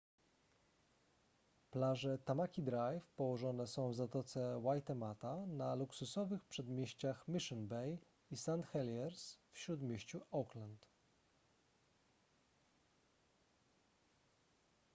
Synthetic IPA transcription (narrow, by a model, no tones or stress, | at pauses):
plaʐɛt̪amakʲid̪ɾajfpɔwɔʐɔnɛsɔ̃w̃vzat̪ɔt̪sɛwajt̪ɛmat̪analuksusɔvɘxpʂɛd̪mʲjeɕt͡ɕaxmʲiʂɔnbɛj | isant̪xɛljɛɾsfɕɾud̪mʲeɕt͡ɕuʔɔklant̪